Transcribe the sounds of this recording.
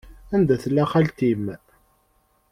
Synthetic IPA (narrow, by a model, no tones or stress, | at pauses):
ænd̪æθəlːæχalt̪im